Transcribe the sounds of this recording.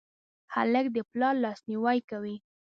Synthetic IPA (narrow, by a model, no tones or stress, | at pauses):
ha̰ləkd̪əplɑɾlɑsniwɑjkawi